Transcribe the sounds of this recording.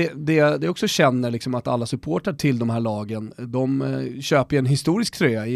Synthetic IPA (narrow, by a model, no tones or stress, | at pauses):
ɛd̪ɛd̪ɛɔksɔɕɛnːəɭɪksɔmat̪a̰lːasɵpʰoːʈaʈʰɪld̪ɔmhæːɭɑːɡənd̪ɔmɕøːpəɾɛnɦɪst̪uːɾɪsk̚t̪ʰɾøːaɪ